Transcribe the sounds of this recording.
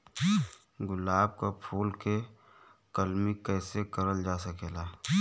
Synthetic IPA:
ɡʊlaːb̚kapʰuːlke | kəlmikɛːsekəɾəld͡ʒaːsəkeːlaː

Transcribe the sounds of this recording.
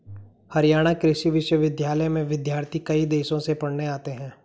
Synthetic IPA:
hɐɾijaːɽ̃akɾɪʃiʋɪʃwəʋɪd̪jaːləjmẽʋɪd̪jaːɾt̪ʰikɐid̪eːʃõsepɐɽneaːt̪eɦɛ̃ː

